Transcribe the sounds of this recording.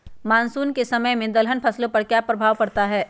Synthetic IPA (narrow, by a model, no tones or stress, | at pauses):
maːnsuːnkesɐməjmẽd̪ɐlɦənpʰɐslõpɐɾkjapɾɐbʱaːwpɐɽt̪aɦɛː